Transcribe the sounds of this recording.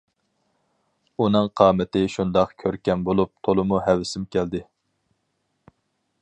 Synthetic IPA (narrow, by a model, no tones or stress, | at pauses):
unɨŋqʰɑːmɪt̪ɪʃund̪ɑqkʲʰøɾkʲɛnbolˠup̚t̪ʰolˠɨmuɦɛwɪsɪmkʲʰæld̪ɪ